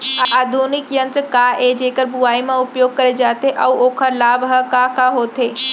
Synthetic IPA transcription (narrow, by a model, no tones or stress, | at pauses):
aːd̪ʱuːnɪkjə̃nt̪ɾkaed͡ʒeːkəɾbʱuaːimãʊpjoːɡ̚kɐɾed͡ʒaːt̪eʔɐuoːkʰəɾlaːbɦɐkakaɦoːt̪eː